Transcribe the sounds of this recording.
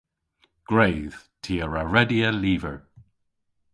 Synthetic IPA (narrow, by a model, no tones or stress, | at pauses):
ɡ̥ɹeːð̥ | tʰiːəɹaɹɛdiəliːvəɹ